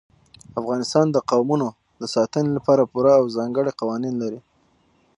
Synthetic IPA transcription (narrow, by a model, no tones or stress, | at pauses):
afɣɑnɪst̪ɑnd̪əqawmuno | d̪əsɑt̪ənelapɑɾapuɾaːwzɑŋɡəɽeqawɑninlaɾi